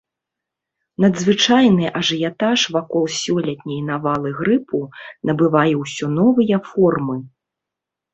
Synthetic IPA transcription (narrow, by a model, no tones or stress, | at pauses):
nɐd̪zvɨt͡ʂajnɨʔɐʐɨjat̪aʂvakɔlˠsʲɔlʲɐt̪ʲnʲɐjnavalˠɨɣɾɨpʰunɐbɨvajɛwsʲɔnɔvɨjɐfɔrmɨ